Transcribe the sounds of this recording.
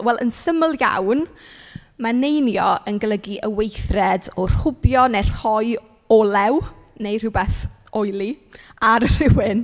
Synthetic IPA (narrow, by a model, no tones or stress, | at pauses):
wɛlˠʔə̰nsəməlˠja̰wn | manejnjɔənɡlˠəɡiʔəwejθrɛdɔr̥hʊbjɔnɛr̥hɔɨ | ɔlˠɛw | nejr̥ɪwbɛθ | ɔjlˠiaɾr̥ɪwɪn